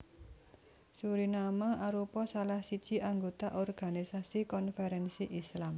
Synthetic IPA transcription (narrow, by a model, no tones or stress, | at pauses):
suɾinamaʔaɾupɔsalahsi̥d͡ʒ̥i̤ʔaŋɡot̪aʔɔrɡ̥a̤nisasikɔnfɛɾɛnsiʔislam